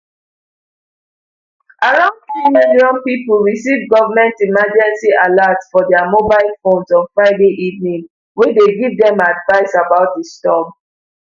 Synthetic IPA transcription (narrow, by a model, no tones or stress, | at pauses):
ʔaɹãʊ̃nfɹimɛdiɔ̃npipəlɹisivɡɔvəmɛ̃ntimad͡ʒɛ̃nsialatsfɔdɛamobaɪlfõnsɔ̃nfɹaɪdeʔivnĩŋ | wedeɡivdɛ̃madvaɪsabaʊt̚destɔm